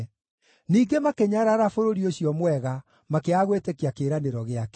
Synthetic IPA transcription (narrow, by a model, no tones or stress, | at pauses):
niːɡemakeɲaɾaɾafoɾoɾioɕiɔmwɛɣa | makeaɣwetekeakeːɾaneɾɔɣeakɛ